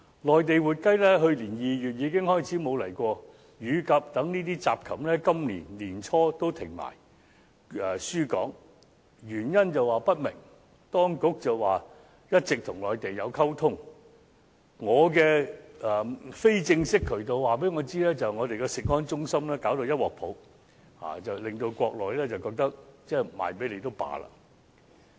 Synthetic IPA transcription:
lɔː˨jt̪e˨jwuː˨t̚kɐ˥jlɛː˥ɦɵ˧ɥliː˨˩njiː˨˧ɥyː˨˩t̚jiː˨˧kɪ˥ŋhɔː˥jt͡sʰiː˨˥mo˨˧wlɐ˨˩jkʷɔː˧ | jyː˨˧kɐ˨˧p̚t̪ɐ˨˥ŋniː˥t̪iː˥t͡sa̰ː˨p̚kʰɐ˨˩mlɛː˥kɐ˥mlḭː˨˩nliː˨˩nt͡sʰɔː˥t̪o˥wt̪ʰɪ˨˩ŋma̰ː˨˩j | ɛː˨˩syː˥kɔ̰ː˨˥ŋ | ɥyː˨˩njɐ˥nt͡sɐ˨waː˨pɐ˥t̚mɪ̰˨˩ŋ | t̪ɔː˥ŋkʊ˨˥k̚t͡sɐ˨wwaː˨ | jɐ˥t̚t͡sɪ˨k̚t̪ʰʊ˨˩ŋlɔː˨jt̪e˨jːɐ˨˧wkʰɐ˥wt̪ʰʊ˥ŋ | ŋɔː˨˧kɛː˧ɛː˨fe˥jt͡sɪ˧ŋsɪ˥kʰːɵ˨˩ɥt̪̬o˨˧wwaː˨˩p̬e˨˥jŋɔː˨˧t͡siː˥lɛː˥t͡sɐ˨wŋɔː˨˧t̪e˨jkɛ˧sɪ˨k̚hɔː˥nt͡sʊ˥ŋsɐ˥mlɛː˥kaː˨˥wt̪o˧wjɐ˥t̚wɔː˨˩k̚pʰo˨˥w | ha̰ː˨˩t͡sɐ˨wlɪ˨ŋt̪o˧wkʷɔː˧k̚lɔː˨˩jlɛː˥t͡sɐ˨wkɔː˧k̚t̪ɐ˥k̚t͡sɛː˥˩ma̰ː˨jpe˨˥jle˨˧jt̪o˥wpa̰ː˨˧la̰ː˧˥

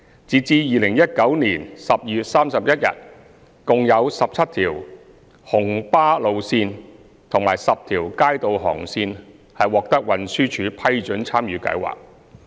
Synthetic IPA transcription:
t͡siː˨t͡siː˧jiː˨lɪ˨˩ŋjɐ˥t̚kɐ˨˥wniː˨˩nsɐ˨p̚jyː˨t̚saː˥msɐ˨p̚jɐ˥t̚jɐ̰˨t̚ | kʊ˨ŋjɐ˨˧wsɐ˨p̚t͡sʰɐ˥t̚t̪ʰiː˨˩w | hʊ˨˩ŋpaː˥lo˨wsiː˧n | t̪ʰʊ˨˩ŋmaː˨˩jsɐ˨p̚t̪ʰiː˨˩wkaː˥jt̪o˨wɦɔ̰ː˨˩ŋsiː˧n | hɐ˨jwɔː˨k̚t̪ɐ˥k̚wɐ˨nsyː˥t͡ʃʰyː˨˧˥pʰɐ˥jt͡ʃɵ˨˥nt͡sʰaː˥mjyː˨˧kɐ̰˨˧˥jwa̰ː˨k̚

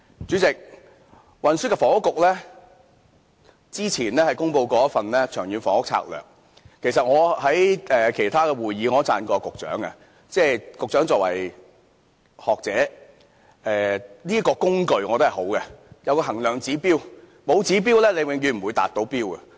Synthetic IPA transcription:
t͡ʃyː˨˥t͡sɪ˨k̚ | wɐ˨nsy˥kɛ˧fɔː˨˩ŋʊ˥kːʊ˨k̚lɛː˥ | t͡siː˥t͡sʰiː˨˩nlɛː˥hɐ˨jkʊ˥ŋpo˧wkɔː˧˥jɐ˥fɐ˨nlɛː˥t͡ʃʰœː˨˩ŋjyː˨˧nfɔː˨˩ŋʊ˥k̚t͡sʰa̰ː˧k̚lœ̰ː˨˩ŋ | kʰe˨˩jsɐ˨t̚ŋɔː˨˧hɐ˨˥jɛː˨kʰe˨˩jt̪ʰaː˥kɛ˧wuː˨jjiː˨˧ŋɔ˨˧˥t͡sa̰ː˧nkɔː˧kʊ˨k̚t͡ʃœ̰ː˨˥ŋɐ̰˧ | t͡sɛː˧kʊ˨k̚t͡ʃœː˨˥ŋt͡sɔː˨k̚wɐ̰˨˩j | hɔː˨k̚t͡sɛː˨˥ | ɛː˨niː˥kɔː˧kʊ˥ŋkɵ˨˧ɥŋɔː˨˧t̪o˥hɐ˨˩ho˨˥wɡɛ˧jɐ˧wkɔː˧ɦɐ˨˩ŋlœː˨˩ŋt͡siː˨˥piː˥w | mo˨˧wt͡siː˨˥p̬iː˥wlɛː˥le˨˧jwɪ˨˧ŋjyː˧m̩˨˩wuː˨˧jt̪a̰ː˨t̚t̪o˨˥wpiː˥wɡɛ˧

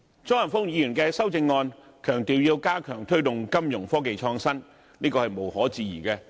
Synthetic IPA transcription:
t͡sɔː˥jɐ˨˩nfʊ˥ŋjiː˨˧˥jy˨˩nkɛː˧sɐ˥wt͡sɪ˧ŋːɔː˧n | kʰœː˨˩ŋt̪iː˨wjiː˧wkaː˥kʰœː˨˩ŋt̪ʰɵ˥ɥt̪ʊ˨˩ŋkɐ˥mjʊ˨˩ŋfɔː˥k̬e˨jt͡ʃʰɔː˧ŋsɐ˥n | niː˥kɔː˧hɐ˨jmo˨˩whɔː˨˥t͡siː˨jḭː˨˩kɛː˧

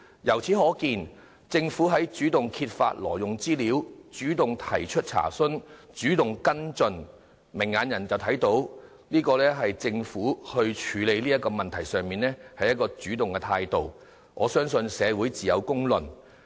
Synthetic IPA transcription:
jɐ˨˩wt͡sʰiː˨˥ɦɔː˨˥kiː˧n | t͡sɪ˧ŋfu˨˥ɦɐ˨˥jt͡ʃyː˨˥t̪ʊ˨ŋkʰiː˧t̚fa̰ː˧t̚lɔ̰ː˨˩jʊ˨ŋt͡siː˥liː˨˥wt͡ʃyː˨˥t̪ʊ˨ŋt̪ʰɐ˨˩jt͡ʃʰɵ˥t̚t͡sʰa̰ː˨˩sɵ˥nt͡ʃyː˨˥t̪ʊ˨ŋkɐ˥nt͡sɵ˧n | mɪ˨˩ŋːaː˨˧njɐ˨˩nt͡sɐ˨wt̪ʰɐ˨˥jt̪o˨˥w | liː˥kɔː˧lɛː˥ɦɐ˨jt͡sɪ˧ŋfuː˨˥hɵ˧ɥt͡ʃʰyː˨˧le˨˧jliː˥jɐ˥t̚kɔː˧mɐ˨nt̪ʰɐ˨˩jsœː˨ŋmiː˨nɛː˥hɐ˨jɐ˥t̚kːɔː˧t͡syː˨˥t̪ʊ˨ŋkɛ˧t̪ʰaː˧jt̪o˨w | ŋʔɔ̰ː˨˧sœː˥ŋsɵ˧nsɛː˨˧wuː˨˥jt͡siː˨jɐ˨˧wkʊ˥ŋlɵ˨˩n

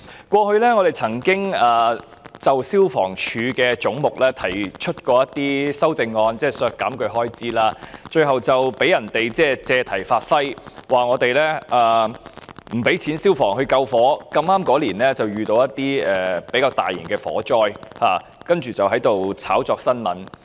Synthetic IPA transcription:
kʷɔː˧hɵ˧ɥlɛː˥ŋɔː˨˧t̪e˨˩jt͡sʰɐ˨˩ŋkɪ˥ŋaː˨ | t͡sɐ˨wsiː˥wfɔ̰ː˨˩ŋt͡ʃʰyː˨˧kɛː˧t͡sʊ˨˥ŋmʊ˨k̚lɛː˥t̪ʰɐ˨˩jt͡ʃʰɵ˥t̚kɔː˧jɐ˥t̪iː˥sɐ˥wt͡sɪ˧ŋːɔː˧nt͡sɛː˥˩sœː˧kːaː˨˥mkɵ˧ɥɦɔː˥jt͡siː˥laː˧t͡ʃɵ˧ɥɦɐ˨wt͡sɐ˨wpe˨˥jɐ˨˩nt̪e˨jt͡sɛː˥˩t͡sɛː˧t̪ʰɐ˨˩jfaː˧t̚fɐ˥jwaː˨ŋɔː˨˧t̪e˨jlɛː˥ʔaː˨ | m̩˨˩pe˨˥jt͡sʰiː˨˥nsiː˥wfɔː˨˩ŋhɵ˧kɐ˧wfɔː˨˥kɐ˧maː˥mkɔː˨˥liː˨˩nlɛː˥t͡sɐ˨wjyː˨t̪o˧wjɐ˥t̪ːiː˥ɛː˨pe˨˥jkaː˧wt̪a̰ː˨˩jḭ˨˩nkɛː˧fɔ̰ː˨˥t͡ʃɔː˥jhaː˨ | kɐ˥nt͡ʃyː˨t͡sɐ˨wɦɐ˨˥jt̪o˨wt͡sʰaː˨˥wt͡sɔː˧k̚sɐ˥nmɐ̰˨˥n

